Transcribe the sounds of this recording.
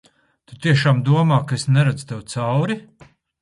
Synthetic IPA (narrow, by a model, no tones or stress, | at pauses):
t̪ut̪iɛʃaːmd̪uɔmaːkaesnɛɾad̪zut̪ewt̪sawɾi